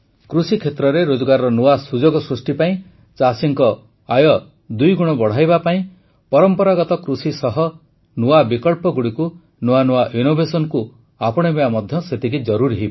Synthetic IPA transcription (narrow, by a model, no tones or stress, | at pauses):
kɾusikʰet̪ɾɔɾeɾod͡ʒɔɡaɾɔɾɔnuasud͡ʒoɡɔsɾusʈipaĩ | t͡ʃasiŋkɔ | ajɔ | d̪ujɡuɽ̃ɔbɔɽ̤ajbapaĩ | pɔɾɔmpɔɾaɡɔt̪ɔkɾusisɔɦɔ | nuabikɔɭpɔɡuɽiku | nuanuwaʔinobʱesɔnɔku | apɔɽ̃ebeamɔd̪ʱjɔset̪ʰikid͡ʒɔɾuɾiɦib